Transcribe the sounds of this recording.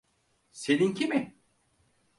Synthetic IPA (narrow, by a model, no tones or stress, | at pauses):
se̞nincʰimɪ